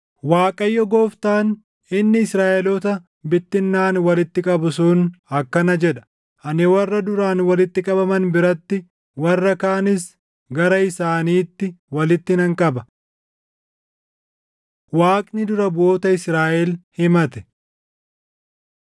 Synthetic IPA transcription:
waːkʼɐjːɔɡoːft̪aːn | ɪnːɪːsɾaːʔɛlɔt̪ɐ | bɪt̪ːɪnːaːnwɐlɪt̪ːɪkʼɐbʊsʊnɐkːɐnɐd͡ʒɛᶑɐ̥ | ʔɐnɛwɐrːɐd̪ʊɾaːnwɐlɪt̪ːɪkʼɐbɐmɐnbɪɾɐt̪ːɪ | wɐrːɐkaːnɪs | ɡɐɾɐɪsaːniːt̪ːɪwɐlɪt̪ːɪnɐŋkʼɐbɐ | waːkʼnɪd̪ʊɾɐbʊoːt̪ɐɪsɾaːʔɛlhɪmɐt̪ɛ̥

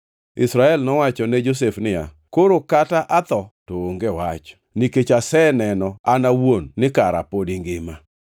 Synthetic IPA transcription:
ɪ̰sɾaɛlnɔwat͡ʃɔnɛd͡ʒos̬efnɪja̰ | koɾokataʔat̪ɔtooŋɡewat͡ʃ | niket͡ʃasɛnɛnɔanawonːɪkaɾa̰podiŋɡɪma

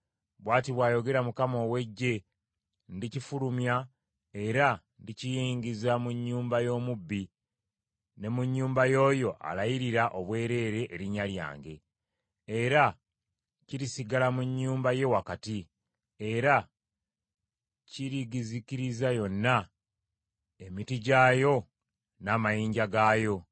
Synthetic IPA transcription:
βwaːtiβwaːjo̞ɡe̞ɾamukamo̞ːwe̞ɟːe̞ | ndicifuɾumja | e̞ɾa | ndicijiːŋɡizamuɲːuːmbajo̞ːmubːi | ne̞muɲːuːmbajo̞ːjo̞ʔa̰lajiɾiɾaʔo̞βwe̞ːɾe̞ːɾe̞ʔːɾiɲalja̰ːŋɡe̞ː | ɾa | ciɾisiɡalamuɲːuːmbaje̞wakati | e̞ɾa | ciɾiɡizikiɾizajo̞nːa | e̞mitiɟaːjo̞ | naːmajiːɲɟaɡaːjo̞

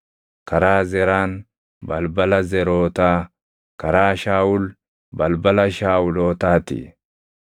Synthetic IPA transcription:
kɐɾaːzɛɾaːn | bɐlbɐlɐzɛɾoːt̪aː | kɐɾaːʃaːʊl | bɐlbɐlɐʃaːʊloːt̪aːt̪ɪ̰

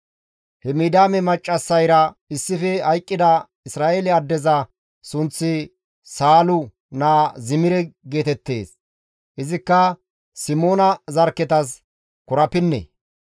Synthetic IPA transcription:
hɛmid̪aːmɛmɐt͡ʃʼːɐsːɐjɾɐɪsːɪfɛhɐjkʼːɪd̪ɐ | ɪsɾaːʔelɪɐd̪ːɛzɐ | sʊnt͡sːɪ | saːlʊ | naːzɪmɪɾɛɡe̞ːt̪ɛt̪ːe̞̰ːs | ʔɪzɪkːɐ | sɪmoːnɐzɐɾkːɛt̪ɐs | kʊɾɐpɪnːɛ̰

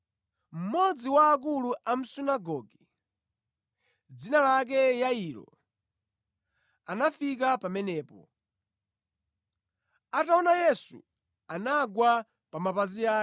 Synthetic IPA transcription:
m̩mɔd͡ziwaːk̬uluʔam̩sunaɡɔɡi | d͡zinalak̬ɛjailɔ̰ | anafikapamɛnɛːpɔ̰ | ataɔnajɛsṵ | anaɡwa | pamapaziaː

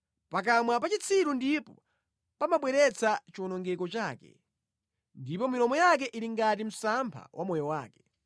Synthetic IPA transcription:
pak̬amwapat͡ʃit͡sʰiɾundipɔ | pamaɓwɛɾɛt͡sʰat͡ʃiɔnɔŋɡɛkɔt͡ʃaːkɛ̰ | ndipɔmilɔmɔjak̬ɛʔiɾiŋɡatim̩sampʰa̰wʔamɔjɔwaːkɛ̥

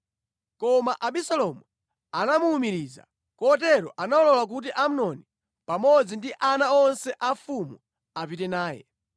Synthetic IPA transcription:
kɔmaʔaɓisalɔmu | anamuːmiɾiːza̰ | kɔt̬ɛɾɔʔanaɔlɔlak̬ut̬iʔam̩unɔni | pamɔd͡zindiʔanaɔnsɛʔafumu | apitɛnaːjɛ̰

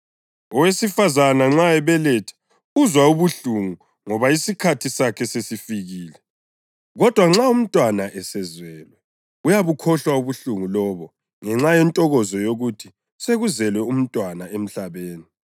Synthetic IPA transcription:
ɔwesifazanaŋ͡ǁaɛβɛlɛtʰḁ | uzwauβuɬuŋu | ŋɔβaisikʰatʰisakʰɛsesifiɣiːlɛ | ɣɔd̥ʱwaŋ͡ǁaum̩tʼwanaʔɛsɛzwɛːlwɛ | ujaβukʰɔɬwauβuɬuŋulɔːβɔ | ŋɛŋ͡ǁajɛntʼɔɣɔzɔjoɣutʰi | seɣuzɛlwɛum̩tʼwanaem̩ɬaβeːni

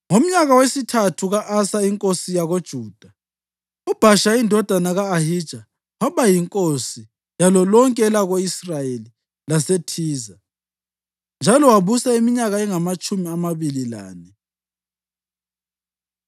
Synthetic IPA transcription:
ŋom̩ɲaɣawesitʰatʰuɣaʔasaiŋkʼosijaɣod̥ʒ̥ʱuːd̥ʱa | ɔb̥ʱaʃaindʱɔd̥ʱanaɣaːhid̥ʒ̥ʱa | waβajiŋkʼosi | jalɔlɔŋkʼɛɛlaɣoisrajeli | lasetʰiːza | nd͡ʒʱalɔwaβusaimiɲaɣaɛŋamat͡ʃʼumiamaβilila̰ːnɛ

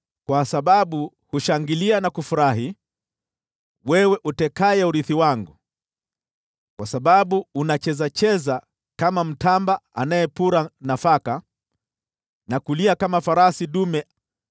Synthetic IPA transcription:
kwasaɓaɓu | huʃaŋɡilianakufuɾaɦi | wɛwɛʔutɛkajɛuɾiθiwaŋɡu | kwasaɓaɓuːnat͡ʃɛzat͡ʃɛza | kamam̩tambaa̰najɛpuɾanafaka | nakuliakamafaɾasiɗumɛ

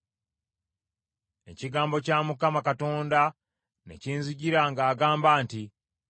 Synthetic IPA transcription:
e̞̰ciɡaːmbo̞caːmukamakato̞ːnda | ne̞̰ciːnzuɟiɾaŋɡaːɡaːmbaːnti

